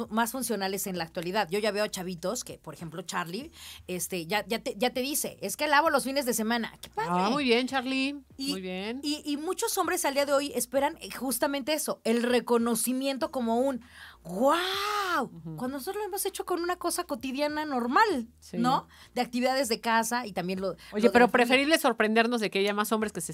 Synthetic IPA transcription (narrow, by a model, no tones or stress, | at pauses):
masfunsjo̞nale̞se̞nlaːk̚t̪waliðaðʝo̞ʝaβe̞ot͡ʃaβit̪o̞ske̞po̞ɾexe̞mplo̞t͡ʃaɾliest̪e̞ʝaʝat̪eʝat̪e̞ðise̞̰ʔeskealaβolo̞sfine̞zðe̞se̞mãna̰ke̞̥paðaɾemujβjent͡ʃaɾliimujβjeniːmut͡ʃo̞sõ̞mbɾe̞sald̪iaðe̞o̞je̞spe̞ɾanxust̪ament̪e̞eso̞e̞lre̞ko̞no̞simje̞nt̪o̞ko̞mo̞unɣwawkwand̪onosotɾozloemose̞t͡ʃo̞ko̞nũnako̞sako̞t̪iðjanano̞ɾmalsino̞ | d̪e̞ak̚t̪iβiðaðe̞zðe̞kasait̪ambje̞nlooleðeɾopɾefe̞ɾiβleso̞ɾpɾe̞nd̪e̞ɾnozðe̞keaʝamaso̞mbɾeskese